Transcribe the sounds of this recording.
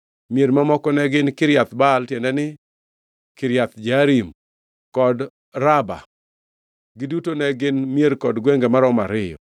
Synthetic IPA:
mjeɾmamɔkɔnɛɡɪnkɪɾjat̪baltjɛndɛnɪ | kɪɾjat̪d͡ʒaɾim | kɔd | ɾaba̰ | ɡɪdutonɛɡɪnmjeɾkɔdɡwɛŋɡɛmaɾɔmaɾɪjɔ̰

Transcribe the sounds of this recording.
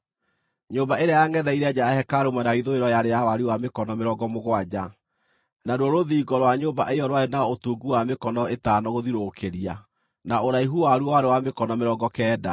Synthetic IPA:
ɲobaeɾeajaŋɛðɛiɾɛd͡ʑaahɛkaɾomanaiðoeɾɔjaɾejawaɾiwamekɔnɔmeɾɔɡɔmoɣwad͡ʑa | naɾwɔɾoðiːɡɔɾwaɲoːmbaʔeɔɾwaenaotuːɡuwamekɔnɔetaːnɔɣoðiɾokʰeɾia | naoɾaiɦuwaɾuwaɾewamekɔnɔmeɾɔɡɔkɛːda

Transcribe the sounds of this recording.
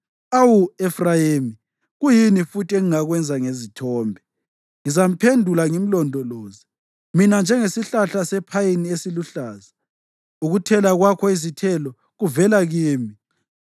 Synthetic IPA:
awuɛfrajeːmi | ɣujinifutʰʼiɛŋiŋaɣwɛnd͡zʱaŋezitʰɔːmbʱɛ | ŋizam̩pʰendʱulaŋim̩lɔndʱɔlɔːzi | minand͡ʒʱɛŋesiɬaɬasɛpʰajiniesiluɬaːza | uɣutʰɛlaɣwakʰɔizitʰɛlɔ | ɣuvɛlaɣiːmi

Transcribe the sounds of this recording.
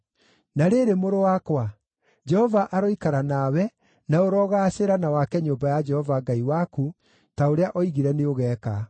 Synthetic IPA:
naɾeɾemoɾowakwa | d͡ʒɛhɔvaʔaɾoikaɾanawɛ | naoɾɔɣaːɕeɾanawakɛɲoːmbajad͡ʒɛhɔvaɡaiwaku | taoɾeaʔɔiɣiɾɛneoɣɛːka

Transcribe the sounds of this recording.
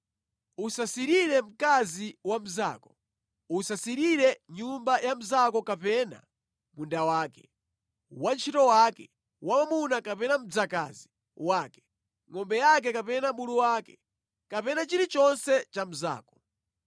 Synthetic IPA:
usasiɾiɾɛm̩kaziwam̩za̰ːkɔ̥ | usasiɾiɾɛɲumbajam̩zakɔkapɛna̰ | mundawaːkɛ̥ | want͡ʃʰitɔwaːkɛ | wamamunakapɛnam̩d͡zaka̰zi | waːkɛ̥ | ŋɔmbɛjak̬ɛkapɛnamuluwaːkɛ | kapɛnat͡ʃiɾit͡ʃɔnsɛt͡ʃam̩za̰ːkɔ̥

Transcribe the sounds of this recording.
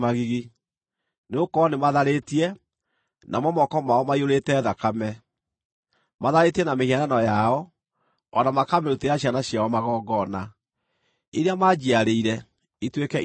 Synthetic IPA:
maɣiɣi | neokɔnemaðaɾetiɛ | nʔa̰mwɔmɔkɔmaɔmaioɾetɛːðakamɛ | maðaɾetiɛnamehiaɾanɔjaɔ | ɔnamakamɛɾuteɾaɕjanaɕjawɔmaɣɔːɡɔna | eɾeamad͡ʒiaɾeiɾɛ | itwekɛ

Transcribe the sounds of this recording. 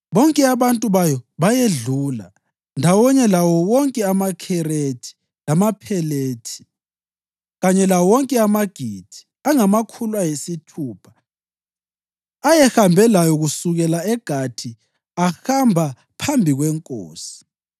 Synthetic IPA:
βɔŋkʼɛaβantʼuβajɔβajeɮuːla̰ | ndʱawɔɲɛlawɔwɔŋkʼɛamakʰɛɾetʰi̥ | lamapʰɛleːtʰi̥ | ɣaɲɛlawɔŋkʼɛamaɡ̥ʱid̥ʰʱi̥ | aŋamakʰulwajesitʰuːpʰḁ | ajɛxambʱɛlajɔɣusuɣɛlaɛɡ̥ʱatʰi | axambʱa | pʰambʱiɣwɛŋkʼo̰ːsi̥

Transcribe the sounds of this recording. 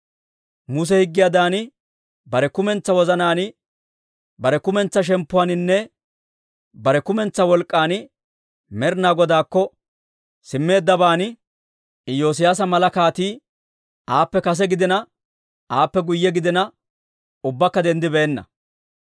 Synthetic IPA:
mʊs̬ɛhɪɡːɪjad̪aːnɪ | bɐɾɛkʊmɛnt͡sːɐwɔzɐnaːnɪ | bɐɾɛkʊmɛnt͡sːɐʃ̬ɛmpːʊwaːnɪnːɛ | bɐɾɛkʊmɛnt͡sːɐwɔlkʼːaːnɪ | mɛɾnaːɡɔd̪aːkːɔ | sɪmːe̞ːd̪ːɐbaːnɪ | ɪjo̞ːs̬ɪjaːs̬ɐmɐlɐkaːt̪iː | ʔaːpːɛkɐs̬ɛɡɪd̪ɪnɐ | ʔaːpːɛɡʊjːɛɡɪd̪ɪnɐ | ʊbːɐkːɐd̪ɛnd̪ɪbɛːnːɐ̰

